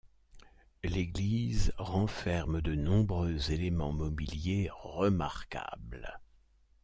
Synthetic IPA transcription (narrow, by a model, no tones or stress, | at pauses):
leɡlizʁɑ̃fɛʁmd̪ənɔ̃bʁøzelemɑ̃mɔbiljeʁəma̰ʁka̰bl